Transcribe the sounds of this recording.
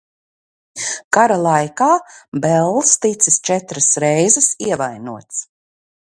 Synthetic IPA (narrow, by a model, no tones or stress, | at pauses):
kaɾalˠajkaːbɛlˠːst̪it̪sist͡ʃɛt̪ɾasɾɛjzɛsiɛvajnṵɔt̪s